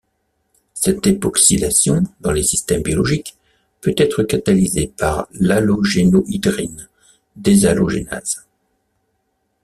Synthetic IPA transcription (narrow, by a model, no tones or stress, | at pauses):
sɛt̪̚epɔksid̪asjɔ̃d̪ɑ̃lesist̪ɛmbjɔlɔʒik | pøt̪ɛt̪χəkat̪alizepaʁlaloʒenoʔid̪ʁin | d̪ezaloʒena̰z̥